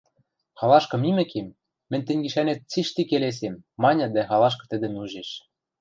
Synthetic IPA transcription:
xɑlɑʃkɤ̆mimɘ̆kemː | ɘ̆nʲt̪ɘ̆nʲɡĭʃænet̪̚t͡siʃt̪ikeles̬emːɑnʲɤ̆d̪æxɑlɑʃ̬kɤ̆t̪ɘ̆d̪ɘ̆muʒeʃ

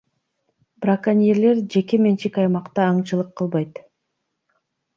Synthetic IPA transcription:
brakanʲijeɾle̞ɾd͡ʒe̞ke̞me̞nt͡ʃikɑjmɑqt̪ɑːɴt͡ʃɯlˠɯqːɯlˠβɑjt̪

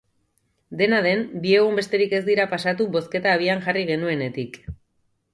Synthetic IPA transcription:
d̪e̞naðe̞mbie̞ɣ̞umbe̞st̪e̞ɾike̞zd̪iɾapasat̪̬uβo̞ske̞t̪aːβiaŋʝariɣ̞e̞nue̞ne̞t̪ik

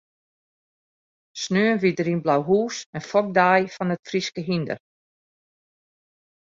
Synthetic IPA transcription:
snøːənʋidəɾinblawɦuːsənfɔk̚daːjfɔnətfriskəɦində̰r

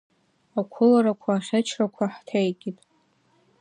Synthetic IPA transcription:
akʷʰʊlaɾakʷʰaːχʲat͡ʃʰrakʷʰaħtʰejɡʲitʼ

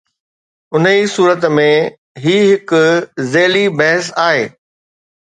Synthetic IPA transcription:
ʊnisuːɾət̪mẽ | ɦiːɦɪkʊzeːlibɐɦəsaːɦḛː

